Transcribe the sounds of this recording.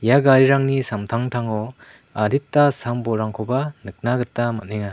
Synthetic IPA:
jaɡaɾiɾaŋnisamtʰaŋtʰaŋɔ | aditːasambɔɾaŋkʰɔbanɯk̚naɡɯtːamat̚neŋa

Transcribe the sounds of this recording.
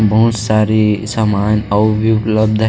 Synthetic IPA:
bɐɦʊt̪saːɾisamaːnɔbʱiʊpləb̚d̪ʱɦ

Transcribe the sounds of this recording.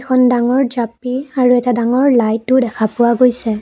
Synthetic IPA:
kʰɔndaŋɔɹd͡ʒapiaɹuɛtadaŋɔɹlajtːʊdɛkʰapʊwaɡojsɛ

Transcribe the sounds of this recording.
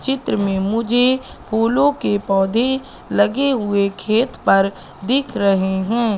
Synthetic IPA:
t͡ʃɪt̪ɾəmẽmʊd͡ʒʱe | puːlõkepɔːd̪ʱe | lɐɡeɦʊekʰeːt̪pɐɾ | d̪ɪkʰɾɐɦeɦɛ̃ː

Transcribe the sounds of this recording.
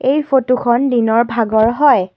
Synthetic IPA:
ejpʰotukʰɔndinɔɹbʱaɡɔɹɦɔj

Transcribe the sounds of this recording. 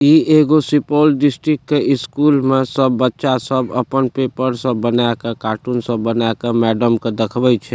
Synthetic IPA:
ieɡosipolɖisʈɾikːeiskulmesəbːətːʃasəbə̰pənpepəɾsəbːənajkekaʈunsəbːənakemɛɖəmked̪əkʰbɛt͡ʃʰɛ

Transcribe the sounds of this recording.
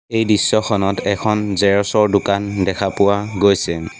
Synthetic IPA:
ejdisːɔxʰɔnɔtʰɛkʰɔnzɛɹɔsɔɹdʊkandɛkʰapʊwaɡojsɛ

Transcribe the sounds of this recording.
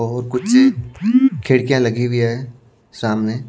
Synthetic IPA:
ɔːɾkʊt͡ʃse | kʰeɽkijãlɐɡibʱiaːe | saːmne

